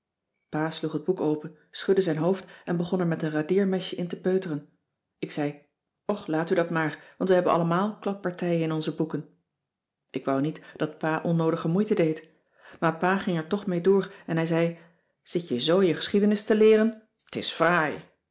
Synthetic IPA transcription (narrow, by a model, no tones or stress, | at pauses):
paːsluχəd̚bukowpən | sχɵdəzɛjnɦowftɛnbəχɔnɛɹmɛtənradɪːɹmɛʃəʔɪntəpøɥtərən | ɪksɛj | ɔχlaːtydɑtmaːɹʋɑntʋəɦɛbənʔɑ̰ləmaːlˠklɑp̚ːɑɹtɛjənɪnɔnzəbukən | ʔɪkʋɑwnitd̥ɑt̚paːʔɔnːowdəχəmujtədejt | maːɹpaːχɪŋɛɹtɔχmejdʊːɹɛnɦɛjzɛj | z̥ɪtjəzowjəχə̥sχidənɪstəlɪːrən | tɪ̰sfraj